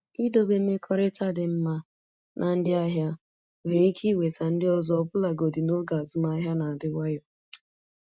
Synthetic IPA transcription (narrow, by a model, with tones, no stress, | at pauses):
i˦do˦be˦me˦kʰɔ˦ɾɪ˦ta˦dɪ˨m̩˦ma˦ | nʔa˨n̩˦dɪ˦a˦ɦja˦ | we˨ɾi˨˦kʰi˦we˨ta˨n̩˦dɪ˦ɔ˦zɔ˦ɔ˦bʊ˦la˨ɡo˨dɪ˨no˦ɡa˨zʊ˦ma˦ɦja˦na˨a˨dɪ˦wa˦jɔ˨